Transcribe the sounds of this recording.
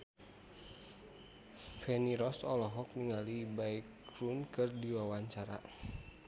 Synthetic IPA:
fɛniɾɔsɔlɔɦɔk̚niŋalibaikɾunkɨrdiwawaɲt͡ʃaɾa̰

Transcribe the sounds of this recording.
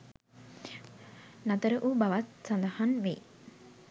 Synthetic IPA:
nat̪əɾəʔubawat̪̚sand̪ahanʋe

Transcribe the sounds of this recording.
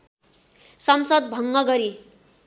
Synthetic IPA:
sʌmsəd̪̚bʱʌŋɡʌɡʌɾi

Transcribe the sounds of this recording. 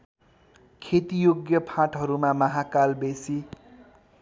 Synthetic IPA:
kʰet̪ijoɡjʌpʰãʈɦʌɾumamʌɦakalbesi

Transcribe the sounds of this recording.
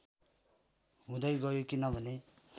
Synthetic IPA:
ɦũd̪ʌjɡʌjokinʌbʱʌne

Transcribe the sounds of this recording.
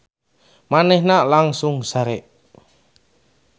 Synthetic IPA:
manɛhnalaŋsʊŋsaɾɛʔ

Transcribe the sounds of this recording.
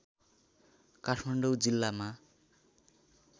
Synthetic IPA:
kaʈʰmaɳɖʌwd͡zilːama

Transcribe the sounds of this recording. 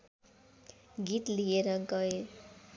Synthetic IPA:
ɡit̪lieɾʌɡʌe

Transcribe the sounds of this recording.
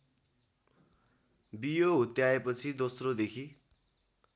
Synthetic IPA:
bijoɦut̪jaepʌt͡sʰid̪osrod̪ekʰi

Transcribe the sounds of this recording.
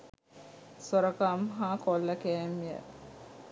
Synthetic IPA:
soɾəkamɦakolːəkæːmijə̰

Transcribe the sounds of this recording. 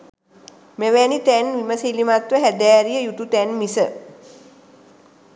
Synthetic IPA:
meʋænit̪ænʋiməsilimat̪ʋəɦæd̪æːɾijəjut̪ut̪ænmisə

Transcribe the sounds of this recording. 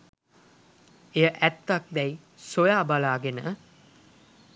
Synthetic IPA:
ejəʔæt̪ːak̚d̪ɛj | sojaːbalaːɡenə

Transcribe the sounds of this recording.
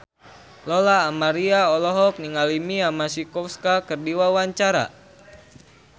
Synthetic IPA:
lɔlaːmaɾiaɔlɔɦɔk̚niŋalimiamasikɔfskakərdiwawaɲt͡ʃaɾa̰

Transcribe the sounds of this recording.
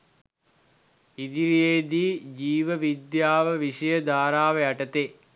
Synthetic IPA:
id̪iɾijejd̪iːd͡ʒiːʋəʋid̪jaːʋəʋiʂəjəd̪aːɾaːʋəaʈɐt̪eː

